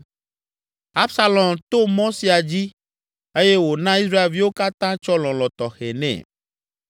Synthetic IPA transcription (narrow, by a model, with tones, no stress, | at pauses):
a˦bsa˦lɔ̃˨mt̪o˦mɔ̃˦si˨a˨d͡ʑi˦ | e˦je˦wo˨nã˦i˦s̬ɾa˦e˨lvi˦wo˦ka˦t̪ã˦t͡ʃɔ˦lɔ̃˨lɔ̃˨t̪ɔ˨xɛ˨nɛ̰̃˨